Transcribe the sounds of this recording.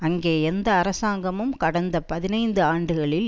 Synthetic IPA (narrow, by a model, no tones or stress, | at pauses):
ɐŋɡeːɛnd̪ɐːɾɐsaːŋɡɐmɯmkɐɽɐnd̪ɐpɐðɪnɐɪnd̪ɯaːɳɖɯɣɐɭɪl